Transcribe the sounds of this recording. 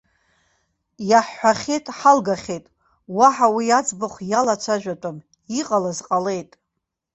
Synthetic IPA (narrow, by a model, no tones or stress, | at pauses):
jaħːʷaχʲejtʼħalɡaχʲejtʼ | waħawijad͡zʼbɨχʷjalat͡ʃʷʰaʒᶣatʷʼam | iqʼalazqʼale̞jtʼ